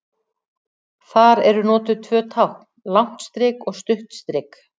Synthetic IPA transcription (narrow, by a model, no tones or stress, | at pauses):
θaɾɛɾʏnɔːt̪ʏt̪ʰvœːt̪ʰawhknlawn̥t̪st̪ɾɪkɔɣst̪ʏht̪st̪ɾɪːk